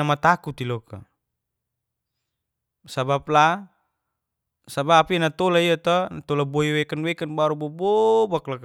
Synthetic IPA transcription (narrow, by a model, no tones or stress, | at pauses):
amat̪akut̪ilɔka̰ | sabap̚la | sabapinat̪ɔlaiat̪ɔnat̪ɔlabɔiwɛkanwɛkanbaɾubɔbɔbaklak